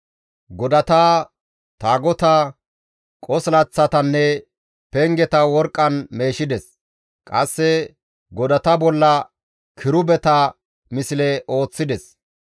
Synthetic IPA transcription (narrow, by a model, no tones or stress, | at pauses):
ɡɔd̪ɐt̪aː | t̪aːɡɔt̪ɐ | kʼɔslɐt͡sːɐt̪ɐnːɛ | pɛŋɡɛt̪ɐwɔɾkʼːɐnme̞ːʃɪd̪ɛs | kʼɐsːɛ | ɡɔd̪ɐt̪ɐbɔlːɐ | kʰɪɾʊbɛt̪ɐ | mɪsɪlɛʔo̞ːt͡sːɪd̪ɛs